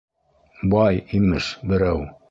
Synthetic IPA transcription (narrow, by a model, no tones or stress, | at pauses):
bɑjimɘʃbɘ̆ɾæw